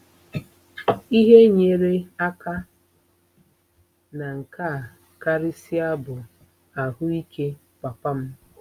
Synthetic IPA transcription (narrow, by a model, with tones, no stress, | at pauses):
i˦ɦe˦ɲe˨ɾe˦a˦ka˦ | na˨ŋ̩˨ka˦˨ | ka˦ɾɪ˦sɪ˦a˦bʊ˨ | a˨ɦʊ˦i˦kʰe˦ | pa˨pa˦m̩˦